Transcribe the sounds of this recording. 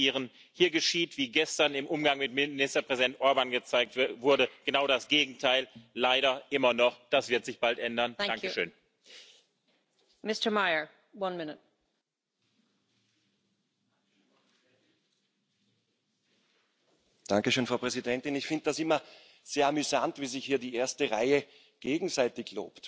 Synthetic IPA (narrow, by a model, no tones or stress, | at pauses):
iːʁən | hiːɐɡəʃiːtv̥iːɡɛstɐnɪmʔʊmɡaŋmɪtmɪnɪstɐpʁ̥ɛzidɛntʔɔɐbanɡət͡saɪk̚tvʊɐɾəɡ̥ənaʊɾasɡ̥eːɡŋ̩tʰaɪllaɪɾɐʔɪmɐnɔχd̥asv̥ɪɐtz̥ɪçb̥altʔɛndɐn̥aŋkəʃøːn | mɪstə˞maɪə˞ | wʌ̃nmɪnət̚ | d̥aŋkəʃøːnfʁɑʊpʁ̥ɛzidɛntɪnɪçfɪ̃ndəd̥asɪmɐ | z̥eːɐamyzantviːzɪçhiːɐdiːʔeːɐstəʁaɪə | ɡ̥eːɡŋ̩zaɪtɪçlo̰ːpt